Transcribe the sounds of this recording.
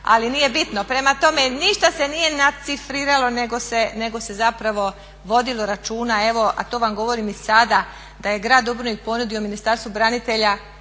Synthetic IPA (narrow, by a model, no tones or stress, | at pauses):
a̰linije̞bit̪no̞pɾe̞mat̪o̞me̞niʃt̪ase̞nije̞nasifɾiːɾalˠo̞ne̞ɡo̞se̞ne̞ɡo̞se̞zapɾaʋo̞ | ʋo̞d̪ilˠo̞ɾat͡ʃuːnae̞ʋo̞a̰t̪o̞ːʋamɡo̞ʋo̞ɾimisad̪a | d̪aje̞ɡɾaːd̪ubɾonikpo̞nud̪io̞minist̪aɾst̪ʋubɾanit̪e̞ʎa